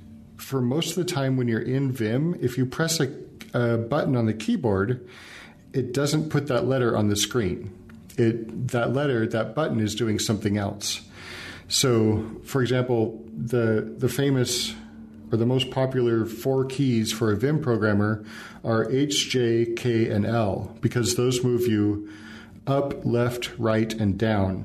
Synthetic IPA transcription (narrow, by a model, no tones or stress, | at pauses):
fə˞moʊstʌvðɨtʰãɪ̃mwɨ̃njə˞ʔɪ̃nvɪ̃mɪfjɨpʰɹ̥ɛsɨəbʌʔn̩ə̃nðɨkʰibɔɹd | ɨt̚d̥ʌzɨ̃npʰʊt̪̚ðəʔˡlɛɾə˞ʔə̰̃nðɨskɹĩn | ɪt̪̚ðəʔˡlɛɾə˞ðɨt̚b̥ʌʔn̩ɨzdʉɪ̃ŋsʌ̃mθɪ̃ŋɛ̰lˠs | soʊfə˞ɨɡzæ̃mpl̩ˠðɨðɨfẽɪ̃mɨs | ə˞ðəmoʊspʰɑpjl̩ˠə˞fɔɹkʰiz̥fə˞ɨvɪ̃mpʰɹ̥oʊɡɹæ̃mə˞ | ʔə˞ʔeɪt͡ʃd̥ʒ̥eɪkʰeɪɛ̃nɛlˠb̥ɨkʰʌzðoʊzmuvjɨ | ʌplɛftɹaɪɾɨ̃ndãʊ̃n